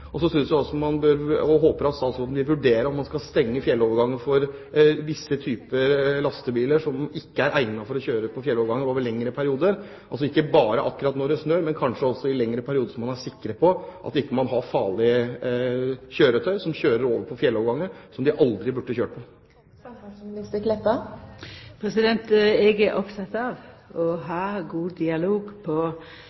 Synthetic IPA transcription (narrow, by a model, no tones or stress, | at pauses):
ɔsɔsʏnsd̪æɔsɔmɑnbøɾɔɦoːpəɾɑlsɔɑlsɔɑd̪ɪʋʉɖeːɾəɾɔt̪mɑnskɑst̪ɛŋːəfjɛlːɔːʋəɾɡɑŋːəfɔɾʋɪsːət̪ʰyːpəlɑst̪əbiːləʂɔmɪkːəæɾʔæɪnɑfɔɾɔɕøːɾəpʰɔfjɛlːɔːʋəɾɡɑŋːəoːʋəɭɛŋːɾəpʰæɾɪuːd̪əɾ | ʔɑls̬ɔɪkːəbɑːɾəʔɑkːʉɾɑt̪nɔɾɖɛsnøːmɛnkʰɑnʂəɔsːɔɪlɛŋɾəpʰæɾɪuːd̪əʂɔmɑnæʂɪkːɾəpʰɔʔɑ̰t̪ɪkːəmɑnɦɑɾfɑːɭɪə | çøːɾət̪ʰœʏsɔmɕøːɾəɾoːʋəɾpʰɔfjɛlːɔʋɡɑŋːəsɔmd̪ɪʔɑld̪ɾɪbʉɖːəçøːʈəpʰɔ | mɪnɪst̪əkʰlɛp̪ːə | pʰɾɛsɪd̪ɛnt̪ɛɡæʔɔpt̪ʰɑt̪ɑʋɔɦɑːɡuːd̪ɪɑloːɡpʰɔ